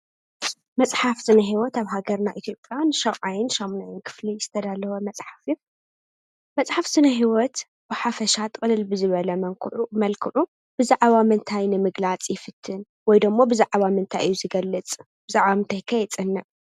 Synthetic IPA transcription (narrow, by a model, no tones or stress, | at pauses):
mɐt͡sʼħafsɨnɐɦiwɔt̪aβɦaɡɐɾnaʔit̪ʰjo̞pʼjanɨʃɐwʼʕajɪnʃɐmnajɪnkʰɨ̥flijɪst̪ʰɐd̪alːɐwɐmɐt͡sʼħafi | mɐt͡sʼħafsɨnɐɦiwɔt̪ | b̥ɨħafɐʃat̪ʰʼɨkʼɨlɨlbɨzɨβɐlɐmɐŋkʰʕumɐlkʰɨʕu | bɨzaʕβamɨnt̪ʰajnɨmɨɡlat͡sʼjɪfɨt̪ʰːɨn | wɔjd̪ɨmːobɨzaʕβamɨnt̪ʰajʔɨjːuzɨɡɐlːɨt͡sʼ | bɨzaʕβamɨnt̪ʰajkʰɐjɛt͡sʼɨnːɐʔ